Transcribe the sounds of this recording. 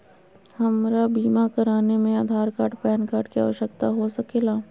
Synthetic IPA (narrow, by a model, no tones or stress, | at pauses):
hɐmɾabiːmakɐɾaːnemẽaːd̪ʱaːɾkaːʈpɛːnkaːɾʈkia̰ːʋəʃəkt̪aɦosɐkeːlaː